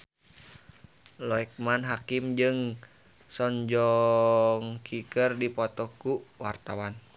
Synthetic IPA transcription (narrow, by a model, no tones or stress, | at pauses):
lɔɛk̚manɦakimd͡ʒɨŋ | sɔɲd͡ʒɔ | ŋkʰikərdipɔt̪ɔkuwart̪awan